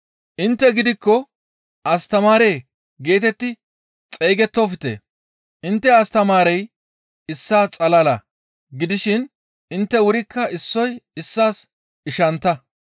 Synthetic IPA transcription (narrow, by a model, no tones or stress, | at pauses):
ʔɪnt̪ːɛɡɪd̪ɪkːɔ | ʔɐst̪ɐmaːɾe̞ː | ɡe̞ːt̪ɛt̪ːɪ | t͡sʼejɡɛt̪ːofɪt̪ḛː | ʔɪnt̪ːɛɐst̪ɐmaːɾɛj | ɪsːaːt͡sʼɐlɐlɐ | ɡɪd̪ɪʃɪn | ɪnt̪ːɛwʊɾɪkːɐɪsːɔjɪsːaːs | ɪʃɐnt̪ːɐ